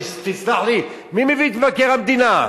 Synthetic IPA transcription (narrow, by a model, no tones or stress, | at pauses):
st̪it͡sd̪aħli | mimivit̪vakɛʁamd̪ina